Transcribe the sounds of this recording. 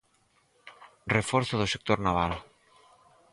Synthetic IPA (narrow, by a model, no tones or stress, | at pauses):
refoɾθoðosek̚t̪oɾnaβ̞al